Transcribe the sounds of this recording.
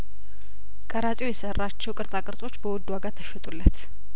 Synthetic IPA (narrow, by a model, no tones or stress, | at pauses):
kʼəɾat͡sʼjwjɛsərːat͡ʃːɛwkʼɨɾt͡sʼakʼɨɾt͡s̪ʼo̞t͡ʃːbəwɔd̪ːuwaɡat̪ʰːəʃɛt̪ʼulːət̪